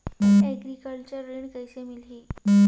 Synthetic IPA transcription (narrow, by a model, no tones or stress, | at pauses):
eɡɾikəɭʈt͡ɕəɾːiɳkəjsemilɦi